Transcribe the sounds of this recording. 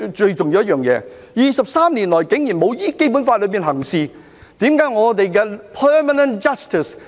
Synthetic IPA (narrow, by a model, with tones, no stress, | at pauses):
t͡ʃɵ˧ɥt͡ʃʊ˨ŋjiː˧wjɐ˥t̚jœː˨˩ŋjɛ̰ː˨˧ | jiː˨˧sɐ˨p̚saː˥mniː˨˩nlɔː˨˩jke˨˥ŋji˨˩nmo˨˧wjiː˥ke˥jpu˨˥nfaː˧t̚lɵ˨˧ɥpiː˨nɦɐ˨˩ŋsiː˨˧ | t̪iː˨˥mkaː˨˥jŋɔː˨˧t̪e˨jkɛː˧pʰɜː˥ma˨nə˨nt͡ʃɐ˥st̪ɪ˨˩s